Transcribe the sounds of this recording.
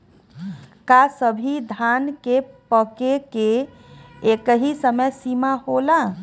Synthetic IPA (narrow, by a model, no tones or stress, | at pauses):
kasəbʱid̪ʱankepəkeke | ekəɦisəməjsimaɦola